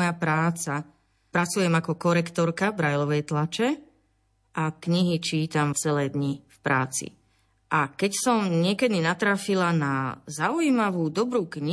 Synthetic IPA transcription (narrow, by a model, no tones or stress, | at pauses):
japɾaːt͡sa | pɾat͡sujɛmakɔkɔɾɛkt̪ɔɾkabɾajlɔʋɛjt̪lat͡ʃɛ | ʔakɲiɦit͡ʃiːt̪amft͡sɛlɛːd̪ɲifpɾa̰ːt͡sḭ | ʔakɛcsɔmɲɪɛkɛd̪inat̪ɾafilanazaujimaʋuːd̪ɔbɾuːkɲi